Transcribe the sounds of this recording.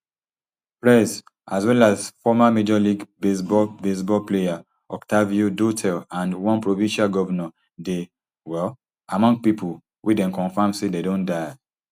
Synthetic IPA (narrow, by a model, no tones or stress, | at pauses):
pɹɛs | aswɛlazfɔmamed͡ʒɔliɡbesbɔlbes̬bɔlpleja | ɔktaviodotʰɛlãndwɔ̃npɹovĩnʃalɡɔvanɔ | de | wɛl | amɔ̃ŋɡ̚pipu | wʔedɛ̃mkɔ̃nfãmsededõndaɪ